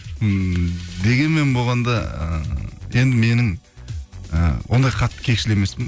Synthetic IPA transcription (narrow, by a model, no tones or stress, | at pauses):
d̪e̞ɡʲe̞nme̞nbo̞lˠʁɑnd̪ɑə̰je̞nd̪ɪme̞nɪŋ | ə̰wo̞̰nd̪ɑjqʰɑt̪ːə̥kʲʰe̞kʃɪlɪeme̞spɪn